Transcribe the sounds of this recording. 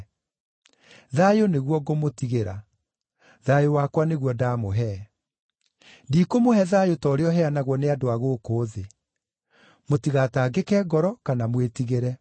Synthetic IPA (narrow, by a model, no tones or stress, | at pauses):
ðajoneɣwɔɡomotiɣeɾa̰ | ðajowakwaneɣwɔdaːmoɦɛ | diːkomohɛðajotɔːɾeɔɦɛanaɣwɔneadoaɣokoːðe | motiɣataːɡekɛɡɔɾɔkanamwetiɣeɾɛ